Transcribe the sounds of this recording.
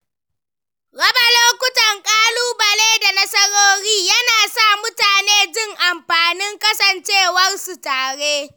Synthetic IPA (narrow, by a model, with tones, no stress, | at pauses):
ɽɐ˦ba˨loː˦kʷʊ˦tɐ˨ŋkʼaː˦luː˦bɐ˨leː˦da˨nɐ˦sɐ˦ɽoː˦ɽiː˦jɐ˦naː˨sa˦˨mʊ˦taː˨neː˦d͡ʒɪ˦ŋʔa˨mɸaː˨nɪ˦ŋkʼɐ˦sɐ˨nt͡ʃeː˦˨wɐ˦rsu˨taː˨ɽeː˦